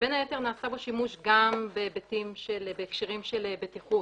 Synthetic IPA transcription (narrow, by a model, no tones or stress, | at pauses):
b̥enhajete̞ʁnaːsabo̞ʃimuʃɡambebetimʃelbekʃeʁimʃelebetiχut